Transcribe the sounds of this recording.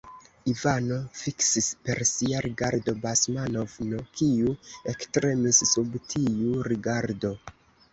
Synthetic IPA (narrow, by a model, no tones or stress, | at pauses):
ivano̞fiksispe̞ɾsiaɾʔiɡaɾdo̞basmanovno̞kʰiue̞kstɾe̞missubtʰiuɾiɡaɾdo̞